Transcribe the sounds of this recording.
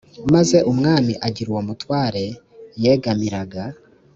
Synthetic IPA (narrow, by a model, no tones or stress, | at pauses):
maze̞ʔumŋaːmiʔaɟiɾwomutwaːɾe̞ | jeɡamiɾaɡa